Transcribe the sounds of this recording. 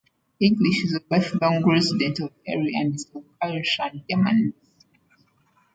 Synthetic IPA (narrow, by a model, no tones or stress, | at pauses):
ĩŋɡliʃizəwɛθlɔ̃ŋɡɹɛzidɛ̃ntɔvɛ̰ɹiãnisɔaʃãnɡɛmã̰n